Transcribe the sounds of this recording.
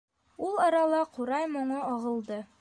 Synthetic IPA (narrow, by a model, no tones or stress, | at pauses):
ulˠɒɾɑlˠɑquɾɑjmŏɴɤɒʁɤ̆lˠd̪ɤ